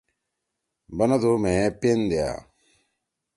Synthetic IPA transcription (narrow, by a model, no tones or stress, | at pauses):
banadomependea̰